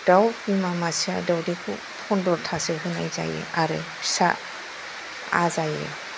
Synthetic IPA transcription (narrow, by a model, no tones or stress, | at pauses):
d̥awimamasia̰dawdekʰu | pʰɔndɔɾtʰaseɦuna̰jza̰jḛʔaɾɯ | sa | azajḛ